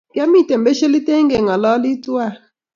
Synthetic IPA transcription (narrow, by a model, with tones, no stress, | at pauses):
kja˦mi˦˨te˨m̩˨be˦ʃe˦li˦te˦ŋ˦ɡe˨ŋɔ˨lɔ˦li˦tu˦a˦˨